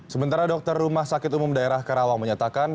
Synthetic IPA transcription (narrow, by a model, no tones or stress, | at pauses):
səmənt̪aɾadɔk̚t̪ərːumahsakɪt̪umʊmdaeɾahkəɾawaŋməɲat̪akan